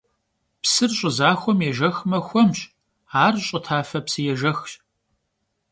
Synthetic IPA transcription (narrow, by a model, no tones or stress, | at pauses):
psɨrɕʼʊzaːxʷɔmjɛʒɐxmɐxʷɔmɕ | aːrɕʼɐtʰaːfɐpsɨjɛʒɐxɕ